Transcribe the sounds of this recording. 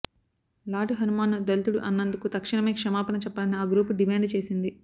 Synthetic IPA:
laːʈuɦɐnumaːnud̪ɐlit̪uɽuʔɐnːɐnd̪ukut̪ɐkʂiɳɐmeːkʂɐmaːpɐnɐt͡ʃɛpːɐːlɐniaːɡɾuːpuɖimaːɳɖt͡ʃe̞ːsind̪i

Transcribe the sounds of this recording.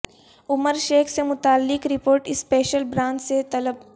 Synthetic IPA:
ʊməɾʃeːkʰsemʊt̪aːlːɪkɾɪpoːɾʈɪspeːʃəlbɾãːnt͡ʃset̪ɐləb̚

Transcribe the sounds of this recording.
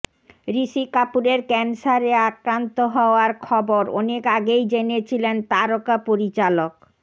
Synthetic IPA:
ɾiʃikapuɾeɾkɛnsaɾeakɾant̪oɦɔoaɾkʰɔboɾɔ̰nekaɡejd͡ʑenet͡ɕʰilent̪aɾokapoɾit͡ɕalok

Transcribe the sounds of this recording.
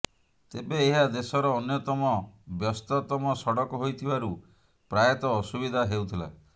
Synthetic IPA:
t̪ebeːɦad̪esɔɾɔːnjɔt̪ɔmɔbjɔst̪ɔt̪ɔmɔsɔɽɔkɔɦojt̪ʰibaɾu | pɾajɔt̪ɔːsubid̪ʱaɦeut̪ʰila̰

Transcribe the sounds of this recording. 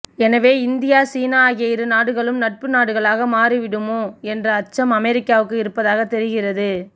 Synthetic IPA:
ɛnɐʋeːɪnd̪ɪjaːsiːnaɣɪjɐjɪɾɯnaːɽɯɣɐɭɯmnɐʈ̚pɯnaːɽɯɣɐɭaːɣɐmaːriʋɪɽɯmoːɛndrɐːt͡ʃːɐmɐmɛɾɪkːaːʋɯkːɯɪɾɯpːɐðaːɣɐt̪ːɛɾɯɣɪrɐðɯ

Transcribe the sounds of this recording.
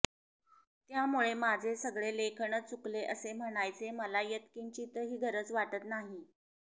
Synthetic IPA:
t̪jamuɭemad͡zʱesəɡɭelekʰəɳət͡sukleʔəsem̤əɽ̃ajt͡seməlajet̪kiɲt͡ɕiːt̪əɦiːɡʱəɾət͡sʋaʈət̪naɦi

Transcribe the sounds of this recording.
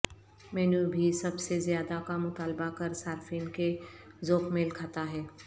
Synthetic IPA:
mɛːnubʱisɐbsezjaːd̪akamʊt̪aːlbakɐɾsaːɾfiːnke | zoːkmẽlkʰaːt̪aɦɛː

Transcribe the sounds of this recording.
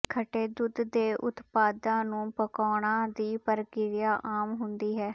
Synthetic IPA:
kʰəʈeːd̪ʊd̪ːeːʔʊt̪paːd̪ãːnũːpəkɔːɽ̃ãːd̪iːpəɾkɪɾɪjaːʔaːmɦʊnd̪iːɦɛː

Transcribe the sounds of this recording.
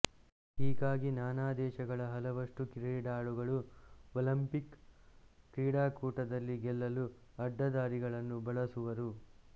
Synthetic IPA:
iːɡaːɡinaːnaːd̪ɛːʃɐɡɐɭɐɦɐlɐʋɐʂʈukiɾɛɖaːɭuɡɐɭuɔlɐmpikː | ɾiːɽaːkuːʈɐd̪ɐlːiɡɛlːɐlu | ɐɖːɐd̪aːɾiɡɐɭɐnːubɐɭɐsuʋɐɾu

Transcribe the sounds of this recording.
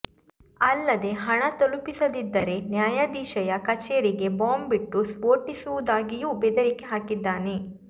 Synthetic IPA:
ɐlːɐd̪e̞ɦɐɳɐt̪olupisɐd̪id̪ːɐɾe̞njaːjad̪iːʃɐjɐkɐt͡ʃeːɾiɡe̞baːmbiʈːuspoːɾʈisuʋud̪aːɡijuːbɛd̪ɐɾikeɦaːkid̪ːaːne̞

